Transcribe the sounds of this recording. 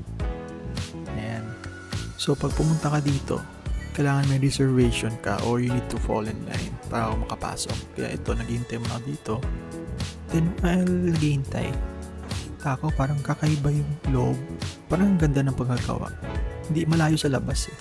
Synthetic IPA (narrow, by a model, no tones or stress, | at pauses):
jan | so̞pɐɡ̚pʊmʊnt̪ɐkɐd̪iːt̪o̞̰ | kɐjlaːŋɐnmɐjɾɛsɛɹvɛjʃonkɐ̰ʔoɹjʊnid̪̚t̪ʊfo̰lɛnla̰jnpa̰ːɾɐʔkomɐkɐpa̰ːso̞̰k̚kːɐja̰ʔɛt̪o̞nɐɡiːhɪnt̪ajmonɐkɐd̪iːt̪o̞ | d̪ɛnmɐnɐɡiːhɪnt̪a̰j | t̪aːkowpaːɾɐŋkakɐʔɪbajʊŋloʔob̚paːɾɐŋmɐɡɐnd̪anɐŋpɐɡkaɡa̰wa̰ʔhɪnd̪imɐlaːjo̞sɐlɐbasɛ